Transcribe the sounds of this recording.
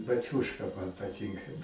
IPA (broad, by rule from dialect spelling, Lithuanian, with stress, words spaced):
bɐˈt͡sʲuːʃkɐ mɐn pɐˈtʲɪŋkɐ